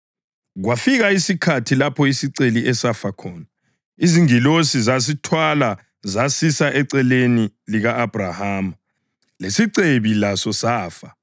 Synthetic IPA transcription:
ɣwafiɣaisikʰatʰilapʰɔisiǀeliʔɛsafakʰɔːna | iziŋilosizas̬itʰwala | zasisaʔɛǀɛleniliɣaːb̥rahaːma | lesiǀeβilasɔsaːfa

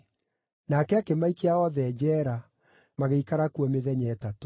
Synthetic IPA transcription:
nakɛakemaikeaɔðɛːd͡ʑɛːɾa | maɣeikaɾakuɔmeðɛɲɛːtato̥

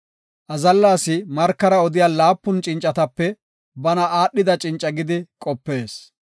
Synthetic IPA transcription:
ʔɐzɐlːaːsɪmɐɾkːɐɾɐɔd̪ɪjaːlaːpːʊnt͡ʃʼɪnt͡ʃʼːɐt̪ɐpːɛ | bɐnɐaːɗːɪd̪ɐt͡ʃʼɪnt͡ʃʼːɐɡɪd̪ɪkʼɔpːe̞ːs

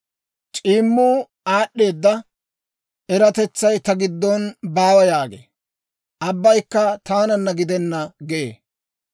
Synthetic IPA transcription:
t͡ʃʼiːmːuː | aːɗːe̞ːd̪ːɐ | ʔɛɾɐt̪ɛt͡sːɐjt̪ɐɡɪd̪ːɔnbaːwɐjaːɡḛ | ʔɐbːɐjkːɐt̪aːnɐnːɐɡɪd̪ɛnːɐɡɛʔḛː

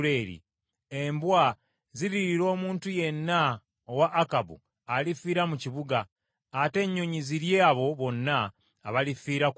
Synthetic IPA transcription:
ɾe̞ɾḭ | e̞mbwa | ziɾiɾiɾo̞ːmuːntuje̞nːa | owaʔːkabṵ | alifiːɾamuciβuɡaː | te̞ɲːo̞ɲiziɾje̞aβo̞βo̞nːaː | βalifiːɾa

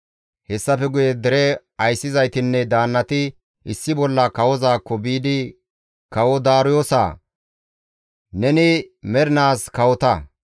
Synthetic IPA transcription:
hɛsːɐfɛɡʊjɛd̪ɛɾɛ | ɐjsːɪzɐjt̪ɪnːɛd̪aːnːɐt̪ɪ | ʔɪsːɪbɔlːɐkɐwɔzaːkːɔbiːd̪ɪ | kɐwɔd̪aːɾʊjoːsa̰ː | nɛnɪmɛɾɪnaːskɐwɔt̪ɐ

